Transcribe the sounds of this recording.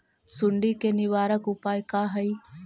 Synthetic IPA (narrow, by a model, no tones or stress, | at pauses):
sʊɳɖiːkenɪʋaːɾəkʊpaːjkaːɦəiː